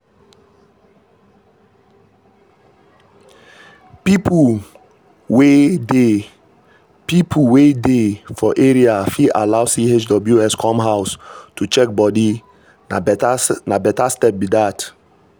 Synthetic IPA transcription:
pipʰu | wede | pipʰuwedefɔʔeɹiafiʔa̰lawsiet͡ʃdɔbljuɛskʰɔ̃mɦawstut͡ʃɛk̚bɔdi | nabɛtastɛp̚bidat

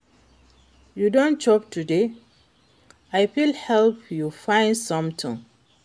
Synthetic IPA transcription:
judõnt͡ʃɔptude | aɪpilhɛlpjufãɪ̃ndsɔ̃mtʰḭ̃ŋ

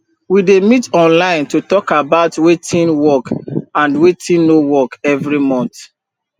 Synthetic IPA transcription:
widemitɔ̃nlãɪ̃ntutɔkabaʊtwetʰĩnwɔkãndwetĩnːowɔkɛvɹimɔ̃nt

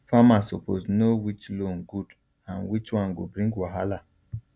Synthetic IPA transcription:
famasɔpoznowit͡ʃlõnɡud | ãnwit͡ʃwãnɡṵbɾĩŋɡwaɦala

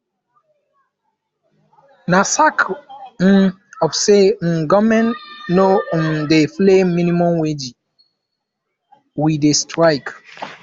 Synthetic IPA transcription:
nasak̩ | ɔfsen̩ɡɔmɛ̃nnondeflemĩnimɔ̃mwed͡ʒi | widestɹaɪk

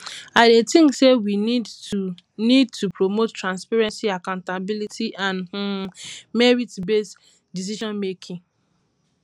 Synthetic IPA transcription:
aɪdetĩŋsewinidu | nid̚tʰupɾomottːɾãnspaɾɛ̃nsiakãʊ̃ntabilitiʔãn | mɛɾitbes | dis̬iʃɔ̃nmekʰĩŋ

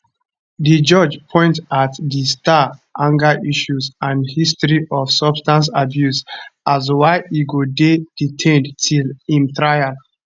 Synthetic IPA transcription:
did͡ʒɔd͡ʒpʰɔ̃ɪ̃ntatdistaʔãŋɡaʔiʃuzãndhistɹiʔɔfsɔbstãns̬abjusʔazwaɪʔiɡoded̥itʰɛ̃ndtʰilĩmt̪ɹajal

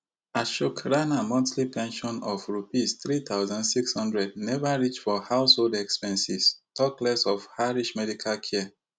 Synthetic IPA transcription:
aʃukɹãnamɔ̃ntlipɛ̃nʃɔ̃nɔfɹupist̪ɹit̪aʊzãndsikshɔ̃ndɹɛd̚nɛvaɹit͡ʃfɔhaʊsholdɛkspɛ̃nsistʰɔklɛsɔfhaɹiʃmɛdikʰalkʰɛ

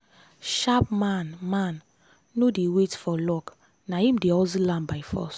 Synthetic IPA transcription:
ʃapmanmãnː | odewetfɔlɔk | nahĩm̩deɔzilãmbaɪfɔ̰s

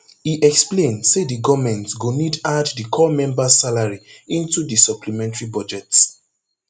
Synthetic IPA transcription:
hiʔɛksplẽndsediɡɔmɛ̃ntsɡonidaddəkʰɔmɛ̃mbasalaɹiĩntudisɔpʰlimɛ̃ntɹibɔd͡ʒɛts

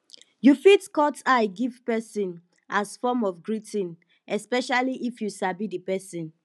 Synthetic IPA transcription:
jufitkɔtaɪɡivpɛsĩn | ʔasfɔmɔfɡɹitĩn | ɛspɛʃaliʔifjusabidəpɛsɔ̃n

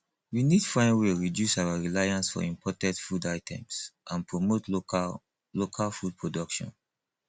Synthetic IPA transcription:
winidfɹãɪ̃nweɹidjusawaɹilajãnsfɔ̰ĩmpɔtɛ̃tfudaɪtʰɛ̰̃msʔãnpʰɹomot | lokʰalfud̚pʰɹodɔkʃɔ̰̃n

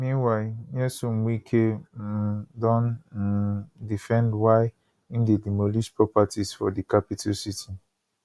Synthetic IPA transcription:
mĩwanɛsũm̩wikʰe | dɔ̃n | difɛ̃ndwaɪ | ĩndedimoliʃpɹɔpatisfɔdikapitʰusitʰi

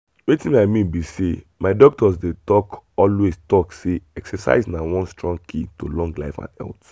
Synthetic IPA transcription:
wetĩnaɪmĩnbisemaɪdɔk̚tɔzdetɔkɔlwestɔkseɛksɛsa̰ɪznawɔ̃nstɹɔ̃ŋɡ̚kʰĩntolɔ̃ŋɡlaɪfã̰nɛ̰lt

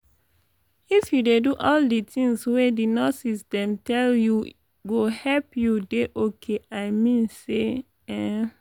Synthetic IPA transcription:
ifjudeduʔɔlditʰĩŋswedinɔsisdɛ̃mtɛlju | ɡohɛpjudeʔokʰeaɪmĩnse | ɛ

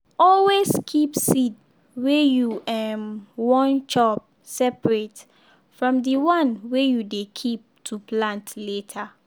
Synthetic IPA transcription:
ɔlweskʰipsid | wejuʔɛmwɔ̃nt͡ʃɔp̚ | sɛpɹet | fɹɔ̃mdiwãnwejudekʰip̚tʰuplãntletʰa

